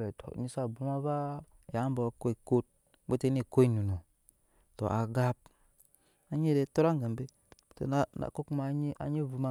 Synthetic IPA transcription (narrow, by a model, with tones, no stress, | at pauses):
e˨to̰˨ɲi˦sa˦˨bu˨˦ma˦ba˦˨ | ja˨˦mba˨wko˦i˨ko˦t̚ | bo˦te˦ni˦˨ko˦i˦nu˨no˨ | to̰˨ʔa˨ɡa˦b̚ | a˦ɲi˦ɾe˨to˦ɾa˦ŋɡa˨mbe˦˨ | to̰˨na˦na̰˨ko˦kma˨˦ɲ˦a̰˨ɲi˦vu˨ma˦˨